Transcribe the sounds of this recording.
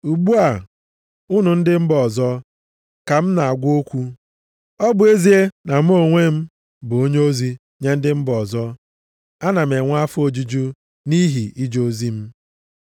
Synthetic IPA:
u˨ɡ͡bu˦a˨ | ʊ˦nʊ˨n̩˦dɪ˦m̩˦bɔ˨zɔ˦ | ka˨m̩˦na˨a˨ɡʷo˦kʷu˦ | ɔ˦bʊ˨e˦zi˦e˦na˨m̩˦o˦˨ŋʷe˦m̩˦ | bʊ˨o˦ɲe˦o˦zi˦ | ɲe˦n̩˦dɪ˦m̩˦bɔ˨zɔ˦ | a˦na˨me˨ŋʷa˦fʊ˦o˨d͡ʒu˦d͡ʒu˦ | ni˦ɦi˨i˦d͡ʒo˦zi˦m̩˦

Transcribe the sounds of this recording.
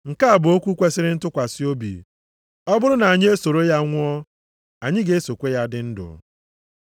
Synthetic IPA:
ŋ̩˨ka˦a˨bʊ˨o˦kʷu˦kʷe˦sɪ˦ɾɪ˦n̩˦tʊ˦kʷa˨sɪ˦o˦bḭ˨ | ɔ˦bʊ˦ɾʊ˦na˨ɲ˦e˦so˨ɾo˦ja˦ŋʷʊ˦ɔ˦ | a˨ɲɪ˦ɡe˦e˦so˨kʷe˦ja˦dɪ˦n̩˦dʊ̰˨

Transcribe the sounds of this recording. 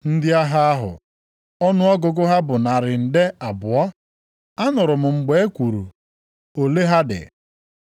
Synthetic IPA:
n̩˦dɪ˦a˦ɦa˦a˦ɦʊ̰˨ | ɔ˦nʊ˦ɔ˦ɡʊ˦˨ɡʊ˦ɦa˦bʊ˨na˨ɾɪ˨n̩˨de˦a˨bʊ˨ɔ˦ | a˦nʊ˨ɾʊ˨mʊ˨ŋ͡m̩˨ɡ͡be˦e˦kʷu˨ɾu˨ | o˨le˦ɦa˦dɪ̰˨

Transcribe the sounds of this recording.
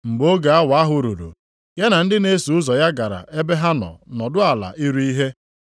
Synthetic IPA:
ŋ͡m̩˨ɡ͡bo˦ɡa˨a˦wa˦ɦʊ˨ɾu˨ɾṵ˨ | ja˦na˨n̩˦dɪ˦ne˦su˨ʊ˦zɔ˨ja˦ɡa˨ɾa̰˨ʔe˦be˦ɦa˦nɔ̰˨nɔ˨dʊ˦a˨la̰˨ʔi˦ɾu˦i˦ɦe˦

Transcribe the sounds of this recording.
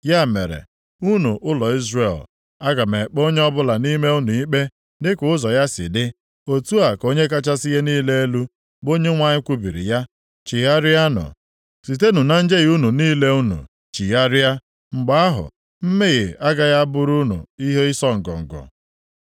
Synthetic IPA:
ja˦˨me˨ɾḛ˨ | u˦nu˨ʔʊ˦lɔ˨i˦zre˨l | a˦ɡa˨me˨k͡po˦ɲe˦ɔ˦bʊ˦la˨ni˦me˦u˦nu˨i˦k͡pe˦ | dɪ˦kʊ˨ʊ˦zɔ˨ja˦sɪ̰˨dɪ˦ | o˨tu˦a˨ko˦ɲe˦k̬a˦t͡ʃa˦si˦ɣe˦niː˦le˦e˦lu˦ | bo˦ɲe˦ŋʷa˨ɲɪ˦kʷu˦bi˨ɾḭ˨ja˦ | t͡ʃi˨ja˦ɾɪ˦a˦nʊ̰˨ | si˨te˦nu˨na˦n̩˦d͡ʒe˦ɣu˦nu˨niː˦le˦u˦nṵ˨ | t͡ʃi˨ja˦ɾɪ˦a˦ | ŋ͡m̩˨ɡ͡ba˨˦a˦ɦʊ̰˨ | m̩˦me˦ɣɪ˨a˦ɡa˨ja˦bʊ˦ɾu˦nṵ˨i˦ɦe˦i˦sɔ˦ŋ̩˨ɡɔ̰˨ŋ̩˨ɡɔ̰˨

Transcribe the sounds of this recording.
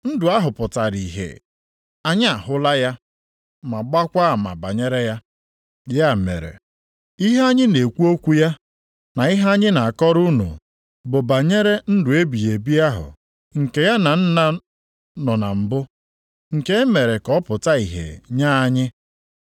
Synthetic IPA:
n̩˦dʊ˨a˦ɦʊ˨pʊ˨ta˨ɾi˨ɦḛ˨ | a˦ɲ˦a˨ɦʊ˦la˦ja˦ | ma˨ɡ͡ba˦kʷa˦˨ma̰˨ba˨ɲe˦ɾe˦ja˦ | ja˦˨mḛ˨ɾḛ˨ | i˦ɦe˦a˦ɲɪ˦ne˨kʷu˦o˦kʷu˦ja˦ | na˨i˦ɦa˦ɲɪ˦na˨a˨kɔ˦ɾu˦nṵ˨ | bʊ˨ba˨ɲe˦ɾe˦n̩˦dʊ˨e˦bi˨je˨bi˦a˦ɦʊ̰˨ | ŋ̩˨ke˨ja˦na˨n̩˦na˦ | nɔ˨na˨m̩˨bʊ˦ | ŋ̩˨ke˦e˦me˨ɾe˨kɔ˦pʊ˨ta˦i˨ɦḛ˨ɲa˦a˦ɲɪ˦

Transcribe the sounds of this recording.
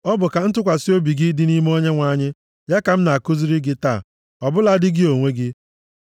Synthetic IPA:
ɔ˦bʊ˨ka˨n̩˦tʊ˦kʷa˨si˦o˦bi˨ɡi˦dɪ˦ni˦m˦o˦ɲe˦ŋʷa˨˦˨ɲɪ˦ | ja˦ka˨m̩˦na˨kʊ˦zi˦ɾi˦ɡɪ˦ta̰ː˦˨ | ɔ˨bʊ˦la˦dɪ˦ɡɪ˦o˨ŋʷe˦ɡɪ˦

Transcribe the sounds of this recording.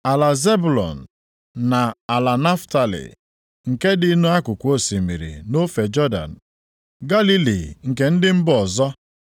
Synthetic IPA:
a˨la˨ze˦bu˨lɔ̰˨n̩˨ | na˨a˨la˨na˦fta˨lḭ˨ | ŋ̩˨ke˦di˦nu˦a˦kʊ˨kʷo˦si˨mḭ˨ɾḭ˨no˦fe˨d͡ʒɔ˦da̰˨n̩˨ | ɡa˦li˦lḭ˨ŋ̩˨ke˦n̩˦dɪ˦m̩˦bɔ˨zɔ˦

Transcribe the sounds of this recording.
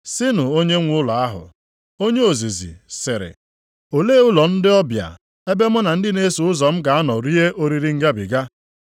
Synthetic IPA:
sɪ˦nʊ˨o˦ɲe˦ŋʷʊ˦la˨a˦ɦʊ̰˨ | o˦ɲe˦o˨zi˨zḭ˨sɪ˨ɾɪ̰˨ | o˨leː˦ʊ˦lɔ˨n̩˦dɪ˦ɔ˦bja̰˨ | e˦be˦mʊ˦na˨n̩˦dɪ˦ne˦su˨ʊ˦zɔ˨m̩˦ɡa˨a˦nɔ˨ɾi˦e˦ʔo˦ɾi˨ɾi˦ŋ̩˦ɡa˦bi˨ɡa˦

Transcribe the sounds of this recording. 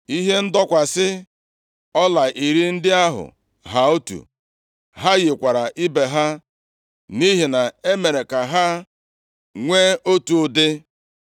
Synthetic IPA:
i˦ɦe˦n̩˦dɔ˦kʷa˨sɪ˦ | ɔ˦la˨ʔi˨ɾi˦n̩˦dɪ˦a˦ɦʊ̰˨ | ɦa˨o˦tṵ˨ | ɦa˦ɣe˨kʷa˨ɾa˨ʔi˦be˨ɦa˦ | ni˦ɦe˨na˨e˦me˨ɾe˨ka˨ɦa˦ | ŋʷe˦o˦tu˨dɪ˦

